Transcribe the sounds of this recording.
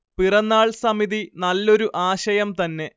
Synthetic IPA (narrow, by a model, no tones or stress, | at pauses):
pirɐnːaːɭsɐmiðinɐlːo̞ɾuʔaːɕɐjɐmt̪ɐnːe̞